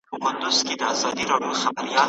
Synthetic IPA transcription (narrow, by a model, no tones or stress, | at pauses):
pəkʊnd̪ʊz̥ked̪əazɑd̪iɾɑɖjoxabaɾijɑl